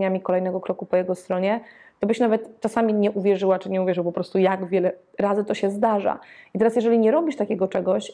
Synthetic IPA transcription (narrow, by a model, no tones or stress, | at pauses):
ɲamʲikɔlɛjnɛɡɔkɾɔkupɔjɛɡɔst̪ɾɔɲɛ | t̪ɔbɘɕnavɛt̪t͡ʂasamʲiɲɛʔuvʲjɛʐɘwat͡ʂɘɲɛuvʲjɛʐɘwpɔpɾɔst̪ujaɡvʲjɛlɛ | ɾazɘt̪ɔɕɛzd̪aʐa̰it̪ɛɾasjɛʐɛlʲiɲɛɾɔbʲiʂt̪akʲɛɡɔt͡ʂɛɡɔɕ